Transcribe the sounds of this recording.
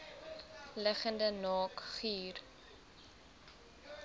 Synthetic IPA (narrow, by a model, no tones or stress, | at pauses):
ləχəndənɑːkχiːr